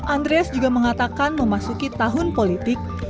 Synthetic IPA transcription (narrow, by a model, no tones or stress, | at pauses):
ʔand̪ɾeasd͡ʒuɡaməŋat̪akanməmasukit̪aɦʊnpolit̪ɪk̚